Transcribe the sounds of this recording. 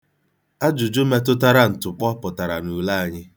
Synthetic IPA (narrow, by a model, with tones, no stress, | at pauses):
a˦d͡ʒʊ˨d͡ʒʊ˦me˦tʊ˦ta˦ɾa˦n̩˨tʊ˨k͡pɔ˦pʊ˨ta˨ɾa˨nu˨la˦a˨ɲɪ˦